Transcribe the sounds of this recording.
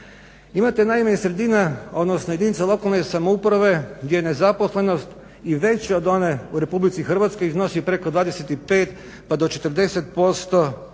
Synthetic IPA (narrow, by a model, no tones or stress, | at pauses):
imat̪enajmaɲesɾe̞d̪inaod̪nosnojed̪init̪salˠo̞kalˠnesamoupɾaʋe̞ɡd̪ʲjejenezaposle̞nost̪ | iʋe̞t͡ɕaod̪o̞neuɾe̞publit̪sixr̩ʋat̪skojizno̞sipɾe̞kod̪ʋaːd̪eset̪ipeːt̪ | pad̪ot͡ʃet̪r̩d̪e̞set̪̚po̞st̪o